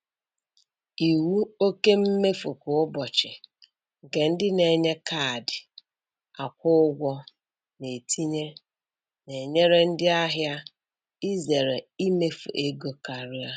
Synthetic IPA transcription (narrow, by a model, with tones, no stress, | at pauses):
i˨wu˦o˦ke˦m̩˦me˦fu˨kʊ˨ʊ˦bɔ˨t͡ʃɪ˨ | ɡe˨n̩˦dɪ˦ne˨ɲe˦kʰa˦˨dɪ˨ | a˨kʷʊ˦ʊ˦ɡʷɔ˦ | ne˨tʰi˦ɲe˦ | ne˨ɲe˦ɾe˦n̩˦dɪ˦a˦ɦja˦ | i˦ze˨ɾe˨i˦me˦fṵ˨ʔe˦ɡo˦ka˨ɾja˦